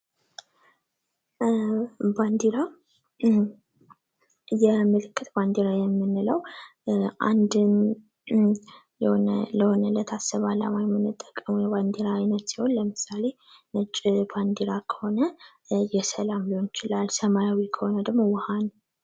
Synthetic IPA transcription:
band̪iɾa | jɛmɨlɨkːɨt̪band̪iɾajɛmːɨnːɨləw | ʔa̰nd̪ɨn | jɛhonələho̞nələt̪ʰasːəβala̰majɛmːɨnːɨt̪ʼːə̥kʼːəmujɛβand̪iɾaːjnət̪siho̞nləmɨsale̞ | nət͡ʃʼːband̪iɾakʰə̥ho̞nə | jɛsəlamliho̞njɪt͡ʃɪlalsəmajawikʰəho̞nəd̪əɡmo̞wəhan

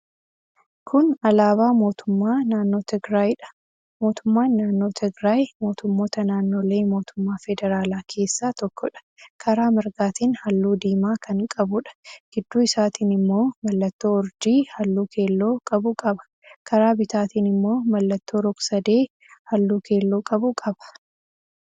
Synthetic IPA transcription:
kʰʊnɐlaːβaːmo̞ːt̪ʊmːaːnaːnːo̞ːt̪ɛɡɾaːjᶑɐ̥ | mo̞ːt̪ʊmːaːnːaːnːo̞ːt̪ʰɛɡɾaːjmo̞ːt̪ʊmːo̞ːt̪ɐnaːnːo̞ːle̞ːmo̞ːt̪ʊ̥mːaːfɛd̪ɛɾaːlaːkʰe̞ːsːaːt̪ɔkʰːɔᶑɐ̥ | kʰɐɾaːmɐɾɡaːt̪iːnhɐlːuːd̪iːmaːkʰɐŋkʼɐbʊᶑɐ̥ɡ̥ɪd̪ːuːɪsaːt̪iːnɪmːo̞ːmɐlːɐt̪ːo̞ːɔɾd͡ʒiːhɐlːuːkʰe̞ːlːo̞ːkʼɐbʊkʼɐbɐ̥ | kʰɐɾaːbɪt̪aːt̪iːnɪmːo̞ːmɐlːɐt̪ːo̞ːɾɔɡsɐd̪e̞ː | hɐlːuːke̞ːlːoːkʼɐbʊkʼɐbɐ̥

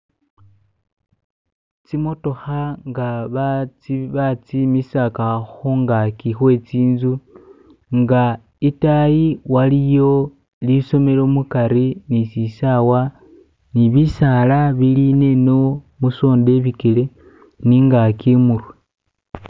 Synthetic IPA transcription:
t͡simo̞to̞xaŋɡaβat͡siβat͡simisakaxoŋɡakixwe̞t͡siːnzu | ŋɡa | itajiwalijo̞ | liso̞me̞lo̞mukaɾinisisawa | niβisalaβiline̞no̞ | muso̞ːnde̞βikele̞ | niŋɡakimuɾe

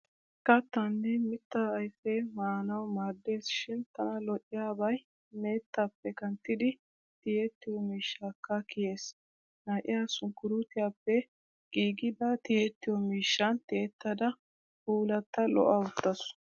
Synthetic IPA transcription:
kɐt̪ːɐnːɛmɪt̪ːɐːjfeːmaːnɐwmaːɾd̪ːe̞ːsɪ̥ʃɪnt̪ɐnɐlɔʔɪjaːbɐj | ne̞ːt̪ːapːɛkɐnt̪ːɪd̪ɪ | t̪ɪjet̪ːɪjɔmiːʃːaːkːɐkɪje̞ːs | naːʔɪjaːsʊŋkːʊɾut̪ɪjaːpːɛ | ɡ̥iːɡɪd̪ɐt̪ɪjet̪ːɪjɔmiːʃːɐnt̪ɪɛt̪ːɐd̪ɐ | uːlɐt̪ːɐlɔ̰ʔɐwʊt̪ːɐs

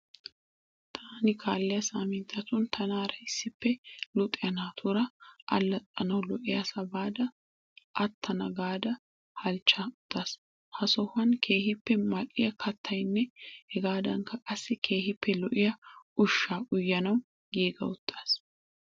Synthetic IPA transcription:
t̪ʰaːnɪkʰaːlːɛjɐsaːmɪnt̪ʰːɐt̪ʊnt̪ʰɐnaːɾɐɪsːɪpːɛlʊt̪ʼːɪjɐnaːt̪ʰʊɾɐʔɐ̰lːɐt̪ʼːɐnɐwlɔʔɪjɐsɐbaːd̪ɐ | ʔɐt̪ʰːɐnɐɡaːd̪ɐ | hɐlt͡ʃːɐʊt̪ʰːas | hɐsɔhɐnkʰe̞ːhɪpːɛmɐʔʼɪjɐkʰɐt̪ʰːɐjnːɛhɛɡaːd̪ɐŋkɐkʼɐsːɪkʰe̞ːhɪpːɛlɔʔɪjɐʊʃːaːʔʊjːɐnɐw | ɡiːɡɐ̰ʊt̪ʰːas

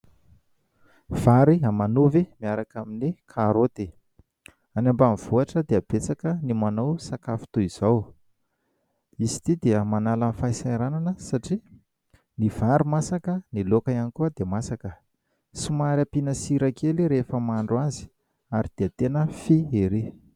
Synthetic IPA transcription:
v̥aɾiamanuvimiaɾakaminikʰaɾot̪e | anambamiv̥uaʈ͡ʂəd̪eab̥et͡sakənimanowsakafi̥t̪uiz̥aw | izi̥t̪id̪eəmanalanifajsajɾananəsaʈ͡ʂi | niv̥aɾimasakənilokaanikuəd̪emasakə | simaɾapinəsiɾakʰeliɾefəmaɳɖ͡ʐuazi̥ | aɾid̪̥eət̪enəfieɾi

